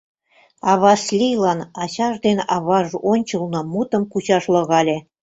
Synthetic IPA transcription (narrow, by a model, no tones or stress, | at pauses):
ɑβɑsʲlʲijlˠɑnɑɕɑʐd̪enɑβɑʐonʲt͡ɕɤ̆lˠnɤ̆mut̪ɤ̆mkuɕɑʃlˠɤ̆ɣɑlʲe